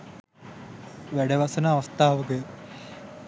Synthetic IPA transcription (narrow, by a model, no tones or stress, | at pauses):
ʋæɖəʋɐsənaːʋɐst̪aːʋəɡə